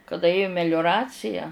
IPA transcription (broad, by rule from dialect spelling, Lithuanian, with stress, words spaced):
kɐˈdɐ ˈeːjʊ mʲɛlʲʊˈrɑːt͡sʲɪjɛ